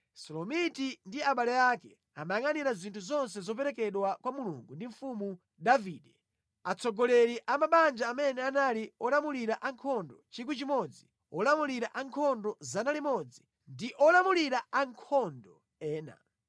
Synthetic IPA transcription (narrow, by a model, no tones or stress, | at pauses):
sɔlɔmitindiaɓalɛjakɛ | a̰maŋaniɾazintʰuzɔns̬ɛzɔp̬ɛɾɛkɛɗwakwamuluŋɡundiɱfumu | daviːɗɛ | at͡sʰɔɡɔlɛɾiʔamaɓand͡ʒaːmɛnɛanaliɔlamuliɾaʔaŋkʰɔndɔt͡ʃikwut͡ʃimɔd͡zi | ɔlamuliɾaʔaŋkʰɔndɔzanalimɔd͡zi | ndiʔɔlamuliɾaaŋkʰɔndɔ | ɛːna̰